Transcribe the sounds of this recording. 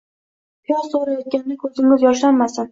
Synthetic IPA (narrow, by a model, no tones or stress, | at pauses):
pʰijɒɾsoɾajɒt̪̚ɡʲanɪnɪkʰɵzɪŋɪzjɒʃlanmasɪn